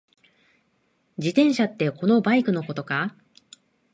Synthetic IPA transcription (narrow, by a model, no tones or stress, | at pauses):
d͡ʑit̪ẽ̞ɰ̃ɕat̪ːe̞ko̞no̞baikɯ̟no̞ko̞t̪o̞ka